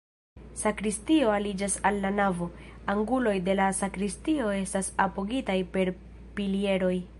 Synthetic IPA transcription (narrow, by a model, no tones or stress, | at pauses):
sakɾistio̞alid͡ʒasalːanavo̞aŋɡulo̞jde̞lasakɾistio̞e̞stasapo̞ɡitajpe̞ɾ | pilie̞ɾo̞j